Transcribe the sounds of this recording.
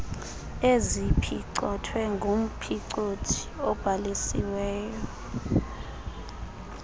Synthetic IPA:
ezipʰiǀɔtʰwɛŋɡʱum̩pʰiǀotʰi̥ɔb̥ʱalisḭwɛːjɔ

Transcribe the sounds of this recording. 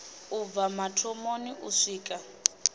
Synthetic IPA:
ub̪vamatʰɔmoniʔuʂiːkʼa

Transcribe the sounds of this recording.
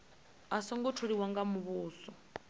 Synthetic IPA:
asɔŋɡɔtʰuɺiwaŋɡamuβuːsɔ

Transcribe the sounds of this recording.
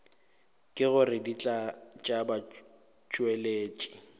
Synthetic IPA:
kʼɪɣʊrɪdit͡ɬʼat͡ʃʼaba | t͡ʃʼweleːt͡ʃʼɪ̥

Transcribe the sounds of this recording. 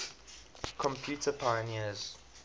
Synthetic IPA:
kʰɔ̃mpʰjuːˑtʰəpʰajəniəz̥

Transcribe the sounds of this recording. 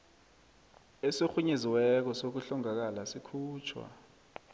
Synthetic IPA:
esoxuɲeziwɛk̬ɔsok̬uɬɔŋak̬alasikʰuːt͡ʃʰwa̰

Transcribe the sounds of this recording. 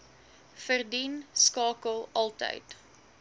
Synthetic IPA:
fərdinskɑːkəlˠɐlˠtə̰jt

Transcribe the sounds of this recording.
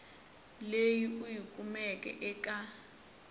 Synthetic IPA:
lejiujikʼumɛkʼɛ̰ʔɛkʼa

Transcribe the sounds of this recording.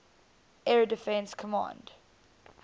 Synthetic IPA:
ɛɹədɪfɛ̃nskʰəmɑ̰̃nd̥

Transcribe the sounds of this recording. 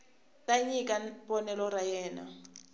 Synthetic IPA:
tʼaɲikʼapɔnɛlɔɾajɛːna̰

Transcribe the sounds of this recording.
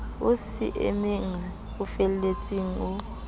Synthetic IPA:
usḭʔḛmiŋa | ufɛllet͡sʼiŋ̩u

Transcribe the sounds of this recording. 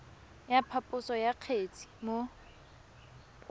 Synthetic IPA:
japʰapʼʊsɔjaq͡χʰet͡sʰʼi̥mo

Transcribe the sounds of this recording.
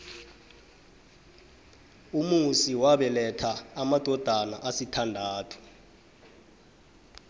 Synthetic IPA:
umusiwaɓɛlɛtʰaːmad̥ʱɔd̥ʱanaʔasitʰandʱaːtʰu̥

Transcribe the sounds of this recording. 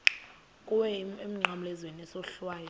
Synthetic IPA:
kʼuwɛem̩ŋ͡ǃamlɛzwenɛsɔɬwaːjɔ

